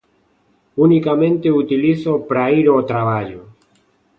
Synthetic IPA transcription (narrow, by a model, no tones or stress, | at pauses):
unikamẽnt̪eut̪ilisopɾaiɾot̪ɾaβ̞aʎo